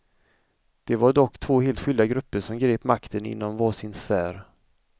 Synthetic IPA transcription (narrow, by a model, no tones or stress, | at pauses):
d̪̥ɛvaɖɔkːt̪ʰv̥oːheːlt̪ɧʏld̪aɡɾɵpːəʂɔmɡɾeːpmakt̪ʰənɪ̰nːɔmvɑːsɪnsfæːɾ